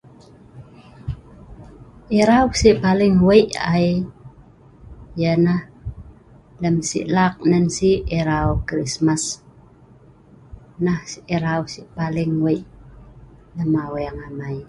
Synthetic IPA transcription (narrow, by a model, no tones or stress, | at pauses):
ʔiɾawsiʔpalɪŋwəjʔa̰i | jənah | ləmsḭʔlak̚nənsiiɾaukɾismas | nahsiʔiɾawsiʔpalɪŋwəjʔ | ləmaweaŋamai